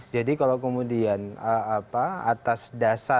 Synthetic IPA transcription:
d͡ʒadikalawkəmudianəapaat̪asdasa

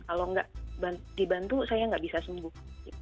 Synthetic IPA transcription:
kaloŋɡaʔbandibant̪usajaŋɡaʔbisasəmbʊhi

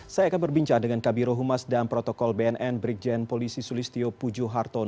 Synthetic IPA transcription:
sajaːkanbərbiɲt͡ʃaŋdəŋankabiɾoɦumasdanpɾot̪okɔlbeɛnʔɛnbɾik̚d͡ʒɛnpolisisulist̪iopud͡ʒuɦart̪ɔn

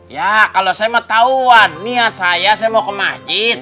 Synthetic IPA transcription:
jakalosajamat̪auanmiat̪̚sajasajamokəmad͡ʒit̪̚

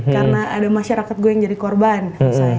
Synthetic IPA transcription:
karnaːdamaʃaɾakat̪̚ɡuajaŋd͡ʒadikɔrbansaa

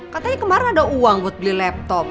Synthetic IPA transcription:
kat̪aɲakəmaɾanadauaŋbɔt̪̚blilɛp̚t̪ɔp̚

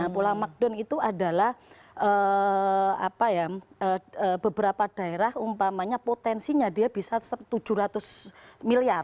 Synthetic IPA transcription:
apulaŋmak̚dɔnit̪uada̤lahʔə | a̰pajaəəb̥əbəɾapad̥a̤eɾahumpamaɲapot̪ɛnsiɲadiab̥isasət̪ud͡ʒuɾat̪ʊsmiliar

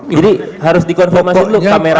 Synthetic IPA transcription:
d͡ʒadi | ɦaɾʊsdikɔnfɔmasidulukameɾa

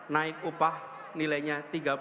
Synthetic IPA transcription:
naɪk̚upah | nilajɲat̪iɡap

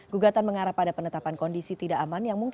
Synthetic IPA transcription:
ɡ̥uɡat̪anməŋaɾahpadapənət̪apankɔndisit̪idaʔamanjaŋmuŋk

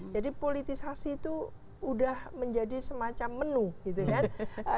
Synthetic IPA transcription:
d͡ʒadipolit̪isasiːt̪uː | dahməɲd͡ʒadisəmat͡ʃamːənuɡ̥it̪ukanə

